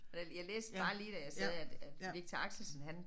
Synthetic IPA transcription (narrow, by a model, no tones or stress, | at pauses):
ɒjæjɑ̈ɪleːsd̥b̥ɑ̈ːliːd̥æjɑ̈ɪsɛðˠæd̥æd̥ie̝ɡ̥̚t͡sʰeɑ̈ɡ̥səsn̩ɦæn